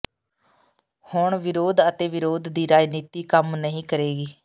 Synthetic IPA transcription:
hʊɳʋɪɾoːd̪ət̪eːʋɪɾoːd̪d̪iːɾaːd͡ʒniːt̪iːkəmnəɦĩːkəɾeːɡiː

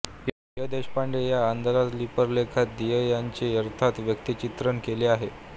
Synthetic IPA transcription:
ɦaijəd̪eɕpaɳɖejaːnd̪aɾat̪lipəɾlekʰat̪̚d̪ijəjaɲt͡ɕeəɾt̪ʰat̪ʋjəkt̪it͡ɕit̪ɾənkeleaɦe

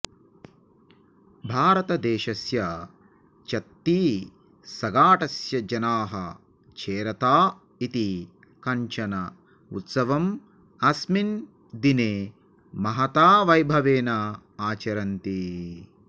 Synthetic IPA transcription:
bʱaːɾɐt̪ɐd̪eːʃɐsjɐ | t͡ʃɐt̪ːi | sɐɡaːʈɐsjɐd͡ʒɐnaːɦɐ̰ | t͡ʃʰeːɾɐt̪aː | it̪i | kɐɲt͡ʃɐnɐ | ṵt̪sɐʋɐm | ɐsmin | d̪ineː | mɐɦɐt̪aːʋɐjbʱɐʋeːnɐ | aːt͡ʃɐɾɐnt̪i

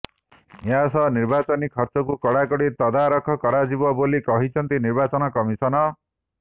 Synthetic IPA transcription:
jasɔniɾbat͡ʃɔnikʰɔɾt͡ʃɔkukɔɽakɔɽit̪ɔd̪aɾɔkʰɔkɔɽad͡ʒibɔbolikɔɦit͡ʃʰɔnt̪iniɾbat͡ʃɔnɔkɔmisɔnɔ

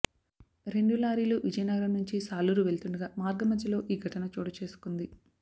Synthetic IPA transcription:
ɾe̞ɳɖulaːɾiːluːʋid͡ʒɐjnɐɡɐɾɐmnuɲt͡ʃisaːluɾuʋe̞ɭt̪uɳɖɐɡaːmaːɾɡɐmɐd̪ʱjɐlo̞ːʔiːɡʱɐʈɐnɐt͡ʃuːɽɐt͡ʃe̞ːsu̥kund̪i

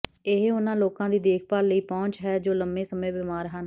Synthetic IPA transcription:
ɪɦʊnãːloːkãːd̪iːd̪eːkʰpaːɾləiːpɔ̃ːɲt͡ʃɦɛːd͡ʒoːləmeːsəmẽːʋɪːmaːɾɦən

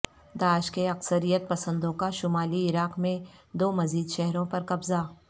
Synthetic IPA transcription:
d̪aːʃkeɐksəɾijət̪̚pɐsə̃nd̪õkaʃʊmaːliɪɾaːqmẽd̪oːmɐziːd̪ʃɛɦɾõpɐɾkɐbza

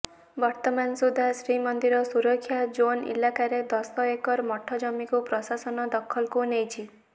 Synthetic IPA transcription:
bɔɾt̪ɔmansud̪ʱːasɾimɔnd̪iɾɔsuɾɔkʰːjad͡ʒonḭlakaɾed̪ɔsɔekɔɾmɔʈʰːɔd͡ʒɔmikupɾɔsasɔnɔd̪ɔkʰɔlkunejt͡ʃʰi

